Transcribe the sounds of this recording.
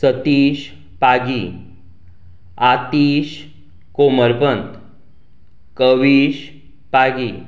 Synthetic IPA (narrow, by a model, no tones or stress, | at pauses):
sət̪iːɕ | paɡiː | at̪iːɕ | koməɾpənt̪ | kəʋiːɕ | paɡiː